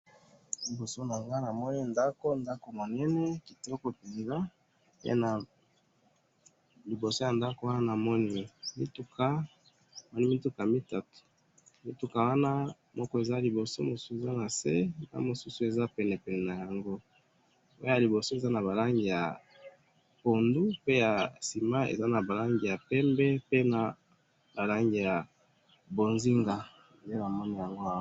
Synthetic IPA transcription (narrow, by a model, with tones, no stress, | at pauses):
li˨bo˨so˦na˨ŋɡa˦na˨mɔ˦ni˦nda˦ko˦nda˦ko˨mo˨nɛ˦nɛ˦ki˨tɔ˦kɔ˨pɛ˨nza˦ | ḛ˦na˨ | li˨bo˨so˦ja˨nda˦ko˨˦wa˦na˦na˨mɔ˦ni˦mi˦tu˦kʰa˦˨ | mɔ˦ni˦mi˦tu˦ka˨mi˦ta˨to̥˨ | mi˦tu˦ka˨wa˦na˦ | mɔ˦kɔ˦e˨za˦li˨bo˨so˦mo˨su˦e˨za˦na˨se˦a̰˦mo˨su˦su˨e˨za˦pɛ˨nɛ˨pɛ˨nɛ˨na˨ja˨ŋɡo˦ | o˦ja˨li˨bo˨so˦e˨za˦na˨βa˨la˦ŋɡi˨ja̰˨ | po˨ndu˦pe˦ja˨si˨ma˦ḛ˨za˦na˨ba˨la˦ŋɡi˨ja˨pɛ˦mbɛ˦pe˦na˨ | ba˨la˦ŋɡi˨ja˨ | bo˨nzi˦ŋɡa˨ | je˦na˨mɔ˦ni˦ja˨ŋɡo˦a˦